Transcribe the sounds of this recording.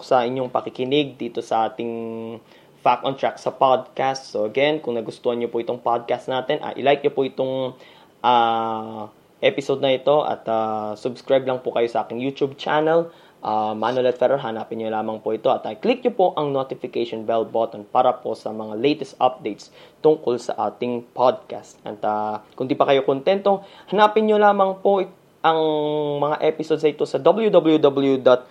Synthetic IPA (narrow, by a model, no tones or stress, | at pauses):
sɐʔɪɲːoŋpɐkɪkɪnɪɡ̚d̪iːt̪o̞sɐʔaːt̪ɪŋ | fak̪̚ont̪ɹaksɐpad̪̚kast̪soʔɐɡɛnkʊŋnɐɡʊst̪oːhɐnɲopʊʔɪt̪oŋpad̪̚kast̪naːt̪ɛnʔɐ̰ʔɪ̰lajk̚ɲopʊʔɪt̪oŋ | ʔa | ʔɛpɪsod̪̚nɐʔɪt̪o̞ʔɐ̰t̪asʊbskɹajblɐŋpʊkɐjo̞sɐʔaːkɪŋjut̪ub̚t͡ʃanɐl | ʔamanolɛt̪fɛɾɛɦɐnaːpɪnɲolaːmɐŋpoʔɪt̪oʔɐt̪ɐklik̚ɲopo̞ʔɐŋnot̪ɪfɪkejʃonbɛlbot̪onpaːɾɐpo̞sɐmɐŋalejt̪ɛst̪ʔɐp̚d̪ejt̪st̪ʊŋko̞lsɐ̰ʔa̰ːt̪ɪŋpʰod̪̚ka̰st̪ʔɐ̰t̪ɐkʊnd̪iːpɐkɐjo̞kʊnt̪ɛnt̪o̞hɐnaːpɪnɲolaːmɐŋpo | ʔɐŋmɐŋaʔɛpɪsod̪s̬ɐɪt̪o̞sɐd̪ɐbɐljud̪ɐbɐljud̪obɐljud̪ɐt̪̚